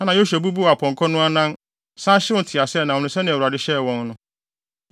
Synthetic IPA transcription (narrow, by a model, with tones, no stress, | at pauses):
ã˦nã˨jo˦ɕɛ˨bu˦bu˦˨a˨pʰɔ̃˨ŋkʰɔ˦nʊ̃˦a˦nã˦n | sã˦ɕɪ˦wʊ˦tʰɪ˨a˨sɛ˦˨nã˨ɔ̃˨nʊ̃˨sɛ˦nɪ̃˨wu˨ɾa˨dɪ˦ɕɛ˦˨wɔ̃˦nnʊ̃˦